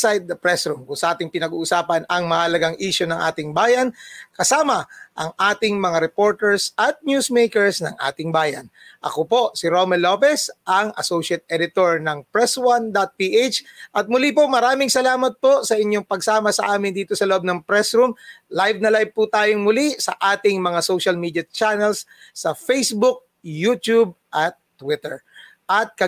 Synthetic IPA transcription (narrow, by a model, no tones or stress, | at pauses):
sajd̪ɐpɾɛsɾumkʊŋsɐʔaːt̪ɪŋpɪnɐɡṵːʔʊsaːpɐnɐŋmɐhɐlɐɡaŋʔiːʃonɐŋʔa̰ːt̪ɪŋbaːjɐnkɐsaːmɐʔɐŋʔaːt̪ɪŋmɐŋaɾɛpo̞ɹt̪ɛɹsʔɐt̪̚njuːsmejkɛɹsnɐ̰ŋʔa̰ːt̪ɪŋbaːjɐ̰nʔɐ̰kopo̞sɪɾomɛlopɛsʔɐŋɐ̰sowʃɐt̪̚ʔɛd̪ɪt̪oɹnɐŋpɹɛswand̪ɐt̪̚piʔet͡ʃʔɐt̪̚mʊlipomɐɾaːmɪŋsɐlaːmɐt̪̚po̞sɐʔɪɲjoŋpɐɡsaːmɐsɐʔaːmɪnd̪iːt̪osɐloʔb̚nɐŋpɾɛsɾumlajvnɐlajv̚put̪aːjoŋmʊlisɐ̰ʔaːt̪ɪŋmɐŋasowʃɐlmiːd̪jɐt͡ʃanɛlsː | ɐfejsbʊk̚ | jut̪ub̚ | ʔɐt̪ːwɪt̪ɛ̰ɹ | ʔɐt̪̚kɐ